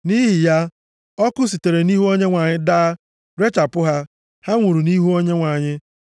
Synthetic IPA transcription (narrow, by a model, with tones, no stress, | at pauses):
ni˦ɦi˨ja˦ | ɔ˦kʊ˦s̬i˨te˨ɾe˨ni˦ɦu˦o˦ɲe˦ŋʷa˨ɲɪ˦daː˦ | ɾe˦t͡ʃa˨pʊ˦ɦa˦ | ha˦ŋʷu˨ɾu˨ni˦ɦu˦o˦ɲe˦ŋʷa˨ɲɪ˦